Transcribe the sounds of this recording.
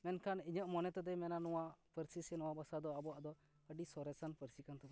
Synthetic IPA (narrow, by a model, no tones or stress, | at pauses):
mɛnkʰaniɲəʔmɔnɛt̪ɔd̪ɛmɛnanɔwaʔpəɾsisɛnɔwabasad̪ɔabɔwaʔd̪ɔ | əɖisɔɾɛsanpəɾsikant̪ɔd̪